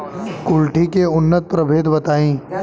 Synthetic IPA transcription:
kʊlʈikeʊnːət̪̚pɾəbʱeːd̪bɐt̪aːĩː

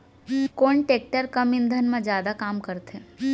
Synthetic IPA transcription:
koːɳʈeːk̚ʈəɾkəmɪ̃nd̪ʱənmãd͡ʒjaːd̪akaːmkəɾt̪ʰe

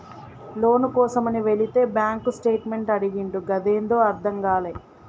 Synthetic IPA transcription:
lo̞ːnukɔːsɐmɐniʋe̞ɭit̪e̞ːbjaːŋkusʈe̞ːʈme̞ɳʈɐɽiɡiɳɖuɡɐd̪eːnd̪o̞ːɐɾd̪ʱɐŋɡaːlɐj

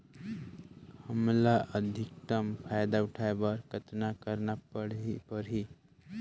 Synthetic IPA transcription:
həmlaʔəd̪ʱik̚t̪əmpʰajd̪aʊʈʰaebəɾkət̪nakəɾnapəɽipəɾɦi

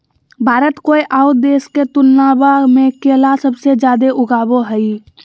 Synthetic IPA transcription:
bʱaːɾət̪koːiʔaːʊd̪eːsket̪ʊnːaːbamẽkeːlasəbsed͡ʒjaːd̪eʔʊɡaːboɦɛi

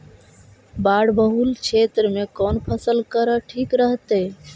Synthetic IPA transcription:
baɽbəɦult͡ʃʰet̪ɾəmekɔnpʰəsəlkəɾəʈʰikɾəɦt̪e

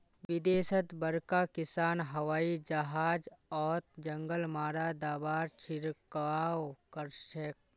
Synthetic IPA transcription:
ʋɪd̪eːsət̪bəɾkakɪsaːnɦɐwaːid͡ʒɐɦaːd͡ʒɔːt̪d͡ʒə̃ŋɡəlmaːɾad̪aːbaːɾt͡ʃʰɪɾkaːwkəɾʃək̚

